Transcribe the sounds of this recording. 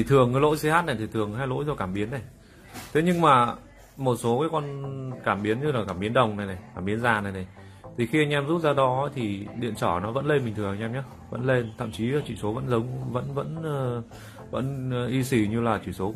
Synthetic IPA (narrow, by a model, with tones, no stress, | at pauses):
i˨˩t̪ʰɨ˨˩əŋə˧˦lo̰˧˥jsi˧haː˦˥t̚na˨˩t̪ʰi˨˩ɨ˨˩əŋhaː˧jlo̰˧˥jzɔ˧˩kaː˧˩mɓi˨˦ənːa˨˩j | t̪ʰe˨˦ɲɨ˧ŋmaː˨˩ | mo˨˩t̚so˨˦kaː˨˦jkɔ˧nkaː˧˩mɓi˨˦ənɲɨ˧laː˨˩kaː˧˩mɓi˨˦ənɗə˨˩wŋ͡mna˨˩jna˨˩jkaː˧˩mɓi˨˦ənzaː˨˩na˨˩jna˨˩j | t̪ʰi˨˩xi˧ʔa˧jŋ̟ʔɛ˧mzu˦˥p̚zaː˧ɗɔ˨˦t̪ʰi˨˩ɗḭ˧˨ənt͡ɕɔː˧˩nɔ˨˦və̰˧˥nle˧nmï˨˩ŋt̪ʰɨ˨˩əŋa˧ŋʔɛ˧mɲaː˨˦ | və̰˧˥nle˧nt̪ʰa̰˧˨mt͡ɕi˨˦˨t͡ɕḭ˧˩so˨˦və̰˧˥nzə˨˦wŋ͡mvə̰˧˥nvə̰˧˥nəː˧ | və̰˧˥n˨ʔi˧si˧˩ɲɨ˧laː˨˩t͡ɕi˧˩so˨˦